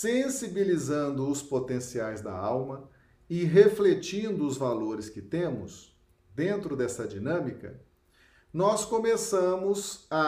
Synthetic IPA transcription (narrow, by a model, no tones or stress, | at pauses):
sẽsibilizɐ̃nd̪ʊːspot̪ẽsiajzd̪ɐ̰awmɐ | ɪɦeflet͡ʃĩnd̪ʊːzvaloɾɪskɪt̪ẽmʊ̰s | d̪ẽnt̪ɾʊd̪ɛsɐd͡ʒinɐ̃mikɐ̰ | nɔskõmesɐ̃mʊzɐ